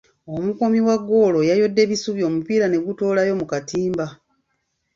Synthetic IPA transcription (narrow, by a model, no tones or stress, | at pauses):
o̞muko̞miwaɡːo̞lo̞jajo̞dːe̞βisuβjo̞ːmupiːɾane̞ɡutoːlajo̞mukatiːmba